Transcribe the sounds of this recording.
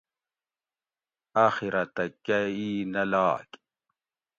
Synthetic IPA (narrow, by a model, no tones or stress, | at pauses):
aːxiɾɐt̪ɐkɐiːnɐlaːk